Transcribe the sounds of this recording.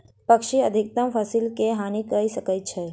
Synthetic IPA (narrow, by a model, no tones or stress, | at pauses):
pəkʃiəd̪ʱiɪk̚t̪əmfəsɪlkeɦanikəisəkəjt͡ʃʰe